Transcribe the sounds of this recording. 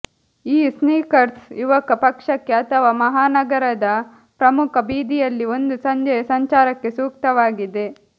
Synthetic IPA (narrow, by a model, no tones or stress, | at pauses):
iːsniːkɐɾt̪sjuʋɐkɐpɐkʂɐkːe̞ɐt̪ʰɐʋaːmɐɦaːnɐɡɐɾɐd̪ɐ | pɾɐmukʰɐbiːd̪ijɐlːio̞nd̪usɐɲd͡ʒɐjɐsɐɲt͡ʃaːɾɐkːe̞suːk̚t̪ɐʋaːɡid̪e̞